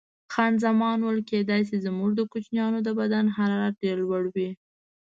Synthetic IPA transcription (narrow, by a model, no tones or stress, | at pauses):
xɑnzamɑnwəlked̪ɑjs̬ezmuʐd̪əkut͡ʃnjɑnod̪əbad̪anɦaɾɑɾat̪̚ɖeɾlwaɽwi